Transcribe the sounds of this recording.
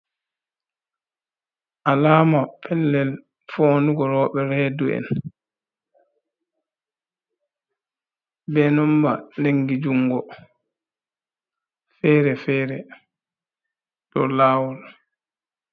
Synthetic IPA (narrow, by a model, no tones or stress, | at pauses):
ʔalaːmapʰɛlːɛl | foːnuɡɔɾɔːɓɛɾɛːduɛ̰n | bɛnɔmba̰leŋɡid͡ʒuŋɡɔ | fɛːɾɛfɛːɾɛ | tɔ̰laːwɔl